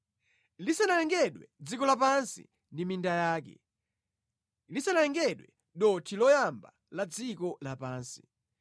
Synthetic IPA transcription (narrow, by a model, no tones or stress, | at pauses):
lisanalɛŋɡɛɗwɛd͡zikɔlapansḭ | ndimindajaːk̬ɛ̰ | lisanajɛŋɡɛɗwɛ̰ | ɗɔtʰilɔjamba | lad͡zikɔlapaːnsi̥